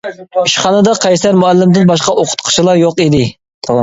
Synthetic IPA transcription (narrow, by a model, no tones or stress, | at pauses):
iʃχɑnɨd̪ɑqʰɑjsæɾmuælːɪmd̪ɪnbɑʃ̬qɑʔoqʰʊ̥t̪qʰə̥ʃʰilˠɑɾjoqid̪ɪ | t̪ʰˠ